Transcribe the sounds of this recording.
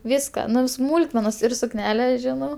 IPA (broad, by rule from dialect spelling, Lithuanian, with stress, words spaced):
ˈʋʲɪskɐ ˈnʊ ʋʲɪ ˈsmuːlˠkmʲɛnɐs ɪr sʊkˈnʲæːlʲɛ ˈʒʲɪnɐʊ